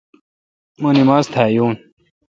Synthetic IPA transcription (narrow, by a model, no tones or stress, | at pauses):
mɐnimaːst̪ʰaːjuːn